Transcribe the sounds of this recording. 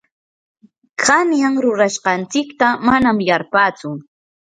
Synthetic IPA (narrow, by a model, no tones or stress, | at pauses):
kʰanjaŋɾʊɾaʃqɑnt͡sɪkt̪amanamjaɾpaːt͡sʊ